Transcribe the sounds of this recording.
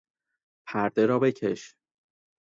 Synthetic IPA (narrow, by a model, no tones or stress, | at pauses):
pʰæɾd̪e̞ɾɒːbe̞cʰe̞ʃ